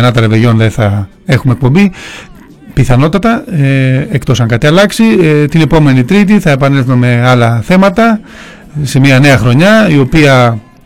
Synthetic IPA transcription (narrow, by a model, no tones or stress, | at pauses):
nɐt̪ɐɾeveʝo̞nðeθɐ | e̞xumek̚po̞mbi | piθɐno̞t̪ɐt̪ɐeekt̪o̞sɐŋkɐt̪iɐlɐksit̪ine̞po̞me̞nit̪ɾit̪̬iθɐe̞pɐnelθome̞ɐlɐθe̞mɐt̪ɐ | se̞miɐne̞ɐxɾo̞ɲɐio̞piɐ